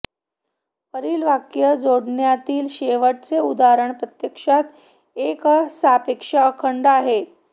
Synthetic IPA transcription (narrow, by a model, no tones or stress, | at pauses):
pəɾiːlʋakjəd͡zoɽɳjat̪iːlɕeʋəʈ̚t͡seud̪aɾəɳpɾət̪jəkʂat̪ | eksapekʂaəkʰəɳɖaɦe